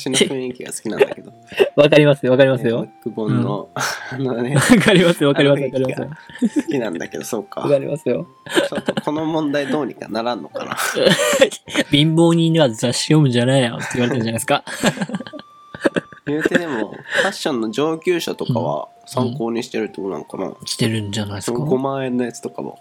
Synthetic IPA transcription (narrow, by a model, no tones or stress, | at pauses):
ɕinɯ̃ĩŋkʲiɡa̰sɨ̥kʲinãnaked̪oβakaɾʲimasɨjoβakaɾʲimasɨjo̞kɯbõnːo̰nβakʰaɾʲimasɨjoβakkaɾʲimasɨβakaɾimasɨosɨ̥kʲinã̰nd̪a̰ke̞d̪osoːka̰akaɾʲḭmasɨjo̞ | soko̞no̞mõ̞nd̪aid̪o̞ːɲ̟ika̰naɾãnːo̞ka̰na̰ | bʲĩmbo̞ːɲ̟ĩɲiβazaɕijo̞mɯ̟d͡ʑaneijo̰t̪ːeiβaɾet̪aɯ̟ɲd͡ʑanasɨ̥ka | jjɯːt̪ed̪e̞mo̰̥kaɕːõnːo̞d͡ʑo̞ːkʲɨːɕat̪o̞kaβa̰ | sãŋko̞ːɲ̟iɕi̥t̪eɾɯ̟t̪ːonã̰ŋkana̰kʲi̥t̪e̞ɾɯ̟̃ɲd͡ʑanaiskɑɡomaẽ̞nːajat͡sɨ̥t̪o̞ka̰mo̰